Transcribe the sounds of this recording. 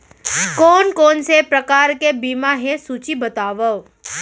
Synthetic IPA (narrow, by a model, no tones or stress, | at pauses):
kɔːnkɔːnsepɾɐkaːɾkebiːmaɦẽsuːt͡ʃibɐt̪aːʋəʋ